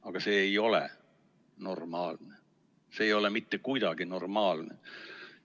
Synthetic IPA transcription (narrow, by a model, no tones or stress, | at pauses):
ɑɡ̥ɑse̞ːjo̞lḛ | no̞rmɑːlne | seejo̞lemit̪ːekuijd̪ɑɡ̥ino̞rmɑːlnḛ